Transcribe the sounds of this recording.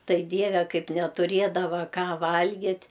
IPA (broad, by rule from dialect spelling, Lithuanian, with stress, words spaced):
ˈtɐɪ ˈdʲiɛʋʲɛ ˈkɐɪp nʲɛtʊˈrʲiɛdɐʋɐ ˈkɑː ˈʋɐlʲɡʲɪtʲ